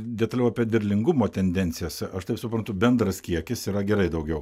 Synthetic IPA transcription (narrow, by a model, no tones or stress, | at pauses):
d̪ʲɛt̪ɐlʲɛʊɐpʲiɛd̪ʋʲɪɾʲlʲɪŋɡʊmoːt̪ʲɛnʲd̪ʲɛnʲt̪sʲɪjɛsɐʃt̪ɐɪpsʊpɾɐnt̪ʊbʲɛnd̪ɾɐskʲiɛkʲɪsiːɾɐɡʲɛɾɐɪd̪ɐʊɡʲɛʊ